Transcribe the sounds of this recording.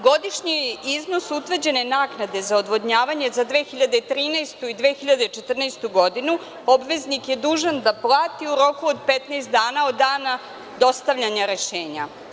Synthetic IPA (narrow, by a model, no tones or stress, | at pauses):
ɡo̞d̪iʃɲiizno̞sut̪ʋr̩d͡ʑe̞nenaːknad̪e̞zaod̪ʋo̞d̪ɲaːʋaɲe̞zad̪ʋe̞xiʎad̪et̪ɾiːnast̪uid̪ʋeːxiʎad̪et͡ʃe̞t̪r̩nast̪uɡo̞d̪inu | o̞bʋe̞znikje̞d̪uːʒand̪aplˠaːt̪iuɾo̞kuod̪pet̪nest̪d̪aːnao̞d̪ːaːna | d̪o̞st̪aʋʎaɲaɾe̞ʃeːɲa